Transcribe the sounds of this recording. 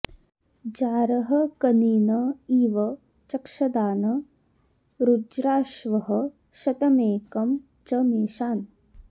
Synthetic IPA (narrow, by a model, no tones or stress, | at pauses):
d͡ʒaːɾɐɦɐkɐniːnɐiːʋɐ | t͡ʃɐkʃɐd̪aːnɐ | ɾud͡ʒɾaːʃʋɐɦɐ̆ | ʃɐt̪ɐmeːkɐm | t͡ʃɐmeːʃaːn